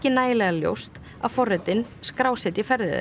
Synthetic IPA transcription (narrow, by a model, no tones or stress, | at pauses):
cɪnaːjɪlɛɣaljo̰wst̪ | aðfɔrɛt̪ɪnskɾaːwsɛt̪jɪfɛɾðɪ̰ð